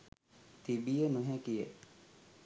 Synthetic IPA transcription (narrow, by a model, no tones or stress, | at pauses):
t̪ibijəməɦɛkijḛ